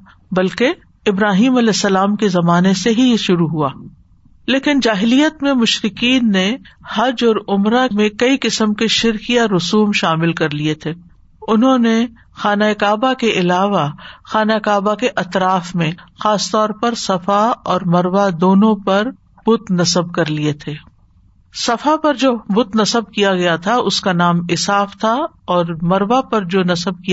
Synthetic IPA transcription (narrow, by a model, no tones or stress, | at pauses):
bɐlke | ɪbɾaːɦiːmɐlɛːsːɐlaːmkezɐmaːneseɦijeʃʊɾuɦuaː | leːkɪnd͡ʒaːɦɪlijət̪mẽmʊʃɾɪkiːnːehɐd͡ʒɔːɾʊmɾamẽkɐikɪsəmkeʃɪɾkijaɾʊsuːmʃaːmɪlkɐɾliet̪ʰeː | ʊnɦõne | xaːnaɪkaːbakeʔɪlaːʋaxaːnakaːbakeʔɐt̪ɾaːfmẽxaːst̪ɔːɾpɐɾsɐfaɔːɾmɐɾʋad̪oːnõpɐɾ | b̥ʊt̪nɐsəb̚kɐɾliet̪ʰeː | sɐfapɐɾd͡ʒoːbʊt̪nɐsəb̚kijaɡɐjat̪ʰaʊskanaːmɪsaːft̪ʰa | ɔːɾmɐɾʋapɐɾd͡ʒoːnɐsəb̚ki